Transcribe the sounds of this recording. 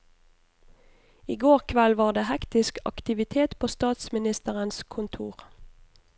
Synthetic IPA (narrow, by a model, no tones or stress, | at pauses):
iːɡoːʁkʰʋɛlʋɑːʁd̪eːhɛkt̪ɪskɑ̰kt̪ɪʋɪt̪ʰeːt̪pʰoːst̪ɑːt̪smɪnɪst̪əʁənskʰʊnt̪ʰuːʁ